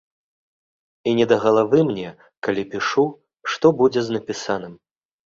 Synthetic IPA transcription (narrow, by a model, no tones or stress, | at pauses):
inʲɛd̪ɐɣɐlˠavɨmnʲɛ | kalʲipʲiʂu | ʂt̪ɔbud͡zʲɛznɐpʲisanɨm